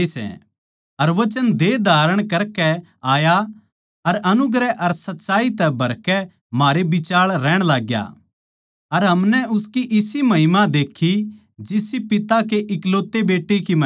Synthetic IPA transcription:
sɛ̰̃ | ɐɾʋɐt͡ʃənd̪eːd̪ʱaːɾəɽ̃kɐɾkɛ | aːja | ɐɾɐnʊɡɾɛʔɐɾsɐt̪ːʃaːit̪ɛbʱɐɾkɛ | maːɾebɪt͡ʃaːɭɾɛːɽ̃laːɡja̰ | ɐɾɦɐmnɛʊskiʔɪsimɐɦɪmãd̪eːkʰːi | d͡ʒɪsipɪt̪ak̬eʔɪkloːt̪ːebeːʈːikimɐ

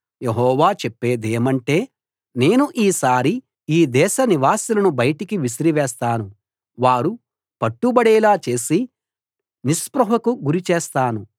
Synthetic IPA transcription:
je̞ɦɔːʋaːt͡ʃepːeːd̪eːmɐɳʈe̞ː | ne̞ːnuʔiːsaːɾi | iːd̪ɛːʃɐniʋaːsilɐnubɐjɐʈikiʋisɾiʋɛːst̪aːnu | ʋaːɾu | pɐʈːubɐɽɛːlaːt͡ʃe̞ːsi | nispɾɐɦɐkuɡuɾit͡ʃeːst̪aːnu

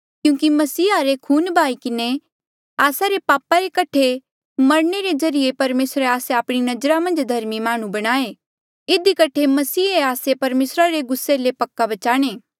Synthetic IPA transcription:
kjũːkimɐsiːaɾekʰuːnbʱaːikɪne | aːsaɾepaːpaɾekɐʈʰe | mɐɾɳeɾezɐɾɪjepɐɾmeːsɾeaːseaːpɽ̃inɐd͡ʒɾamɐ̃nd͡ʒd̪ʱɐɾmimaːɽ̃ũbɐɽ̃aːe | ɪd̪ikɐʈʰemɐsiːeaːsepɐɾmeːsɾaɾeɡʊsːelepɐkːabɐt͡ʃaːɽ̃eː

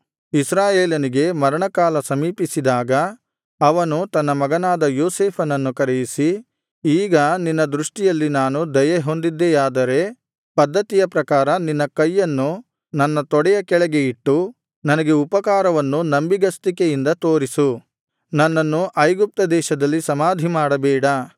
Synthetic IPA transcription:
isɾaːjeːlɐniɡe̞mɐɾɐɳɐkaːlɐsɐmiːpisid̪aːɡɐ | ɐʋɐnut̪ɐnːɐmɐɡɐnaːd̪ɐjoːseːpʰɐnɐnːukɐɾejisi | iːɡɐninːɐd̪ɾuʂʈijɐlːinaːnud̪ɐjɐɦo̞nd̪id̪ːejaːd̪ɐɾe̞ | pɐd̪ʱːɐt̪ijɐpɾɐkaːɾɐninːɐkɐjːɐnːu | nɐnːɐt̪ɔɽɛjɐkɛɭɛɡe̞iʈːu | nɐnɐɡe̞upɐkaːɾɐʋɐnːunɐmbiɡɐst̪ikejind̪ɐt̪o̞ːɾisu | nɐnːɐnːuʔɐjɡup̚t̪ɐd̪ɛːʃɐd̪ɐlːisɐmaːd̪ʱimaːɽɐbɛːɽɐ

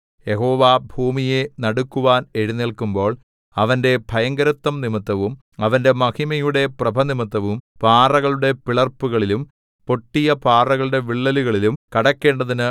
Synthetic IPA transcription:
je̞ɦo̞ːʋaːbʱuːmije̞nɐɽukːuʋaːne̞ɻunːeɭkumbo̞ːɭ | ɐʋɐnde̞bʱɐjɐŋɡɐɾɐt̪ːɐmnimɐt̪ːɐʋum | ɐʋɐnde̞mɐhimɐjuɽe̞prɐbʱɐnimɐt̪ːɐʋumpaːrɐɣɐɭuɽe̞piɭɐrpːuɣɐɭilum | po̞ʈːijɐpaːrɐɣɐɭuɽe̞ʋiɭːɐluɣɐɭilumkɐɽɐkːe̞ːɳɖɐðinɨ

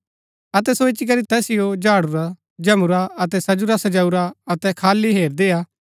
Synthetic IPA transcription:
ɐt̪ɛsoɪt͡ʃik̬ɐɾit̪ɛːsɪjod͡ʒaːɽʊɾa | d͡ʒɐmʊɾaɐt̪ɛsɐd͡ʒʊɾasɐd͡ʒaːuɾaɐt̪ɛkʰaːliɦeːɾd̪eːaː

